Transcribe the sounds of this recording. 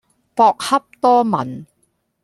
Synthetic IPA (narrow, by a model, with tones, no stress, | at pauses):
pɔː˧k̚hɐ˥p̚t̪ɔː˥mɐ̰˨˩n